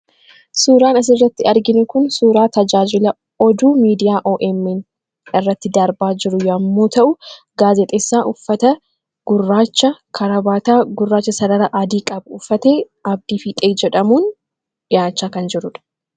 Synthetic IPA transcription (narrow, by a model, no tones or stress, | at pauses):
suːɾaːnɐs̬ɪrːɐt̪ːɪɐɾɡɪnʊkʊnsuːɾaːt̪ɐd͡ʒaːd͡ʒɪlɐ | ɔd̪uːmiːd̪ɪjaːʔoːʔɛmːɛn | ɪrːɐt̪ːɪd̪ɐɾbaːd͡ʒɪɾʊjɐmːo̞ːt̪ɐʔʊ | ɡaːzɛt̪ʼeːsːaːʔʊfːɐt̪ɐ | ɡ̥ʊrːaːt͡ʃːɐkʰɐɾɐbaːt̪aːɡʊrːaːt͡ʃːɐsɐd̪ɐɾɐʔad̪iːkʼɐbʊfːɐt̪eː | ɐb̚d̪iːfiːt̪ʼeːd͡ʒɛᶑɐmuːn | ᶑɪjaːt͡ʃːaːkɐnd͡ʒɪɾʊᶑɐ̥